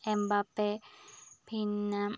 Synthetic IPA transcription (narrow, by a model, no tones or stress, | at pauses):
embape | pʰinːa